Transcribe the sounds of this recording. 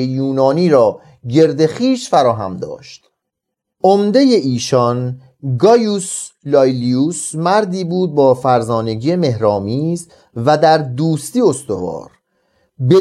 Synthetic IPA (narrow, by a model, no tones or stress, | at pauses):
ejuːnɒːniːɾɒː | ɟe̞ɾd̪e̞χiːʃfæɾɒːɦæ̰md̪ɒ̰ːʃt̪ | ʔomd̪e̞je̞ʔiːʃɒn | ɡɒːjuslɒjliuːsmæɾd̪iːbuːd̪̚bɒːfæɾzɒːne̞ɡijeme̞hɾɒːmiːz | væd̪æɾd̪uːst̪iːo̞st̪o̞̰vɒ̰ːɾ | be